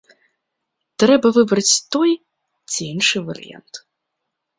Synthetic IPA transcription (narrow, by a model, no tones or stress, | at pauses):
t̪ɾɛbɐvɨbɾɐt͡sʲt̪ɔj | t͡sʲiinʂɨvɐ̰ɾɨ̰ja̰nt̪